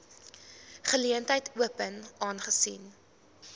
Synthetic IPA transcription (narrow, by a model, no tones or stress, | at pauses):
χəliəntəjtʰuəpənɑːnχəsin